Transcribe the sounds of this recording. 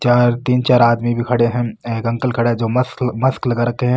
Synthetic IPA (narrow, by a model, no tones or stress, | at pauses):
t͡ʃaːɾt̪iːnt͡ʃaːɾaːd̪mibʱikʰɐɽeɦɛ̃ekɐ̃ŋkəlkʰɐɽeɦɛ̃d͡ʒoːmɐsmɐsklɐɡaɾɐkeɦɛ̃ː